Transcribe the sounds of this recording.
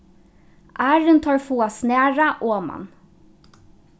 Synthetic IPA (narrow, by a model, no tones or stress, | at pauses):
ʔæːɹənt̪ʰɑːɹfuːasneːɹaʔoːmɑ̰n